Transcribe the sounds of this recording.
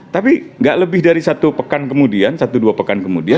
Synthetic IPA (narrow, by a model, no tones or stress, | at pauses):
t̪apiŋɡaʔləbɪhdaɾisat̪upəkankəmudiansat̪uduapəkankəmudia